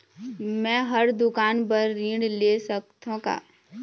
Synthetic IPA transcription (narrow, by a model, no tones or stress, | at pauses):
mɛ̃ːɦɐɾd̪ʊkaːnpɐɾːĩːɽleːsɐk̚t̪õka̰ː